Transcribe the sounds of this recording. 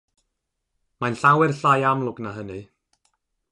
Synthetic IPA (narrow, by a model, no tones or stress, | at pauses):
manɬawɛrɬajamlˠʊɡnaɦəni